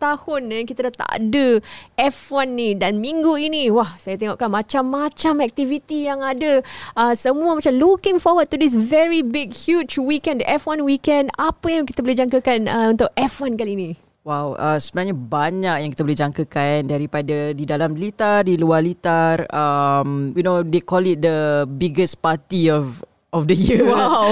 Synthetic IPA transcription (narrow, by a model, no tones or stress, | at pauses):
t̪ahʊnjaŋkit̪ədat̪a̰ʔdəʔɛfwanːidanmĩŋɡuiniwahsajat̪ɛŋoʔkanmat͡ʃamːat͡ʃamɛk̚t̪ivit̪ijaŋadəəsəmuəmat͡ʃamlukɪ̃ŋfɔwəd̚t̪udis̬vɛɹibɪɡhjut͡ʃwikɛ̃ndɛfwanwikɛ̃ndapəjãŋki̥t̪əbolid͡ʒaŋkəkanəunt̪ʊʔɛfwankaliinĩ | wawʔə̰səbənãŋɲabaɲak̚jãŋkit̪əbolid͡ʒaŋkəkandaɾipadadidalamlit̪ardiluarlit̪arəmjunodekɔlɪt̪̚dəbiɡəspat̪iɔf | ʔɔfdəjiəwaw